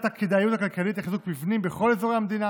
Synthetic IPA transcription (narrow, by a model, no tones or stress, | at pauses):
t̪akid̪ajut̪akalkalit̪laχizuk̚bifnimbeχo̞lezoʁeamd̪ina